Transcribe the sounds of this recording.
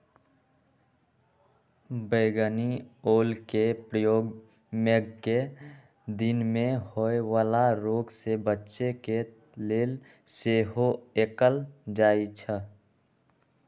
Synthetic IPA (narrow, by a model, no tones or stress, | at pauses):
bəɡənioːlkepɾəjoːɡ | məɡke | d̪ɪnmẽhoeʋaːlaɾoːɡsebətːʃeke | leːl | seːɦoeːkəld͡ʒaːit͡ʃʰə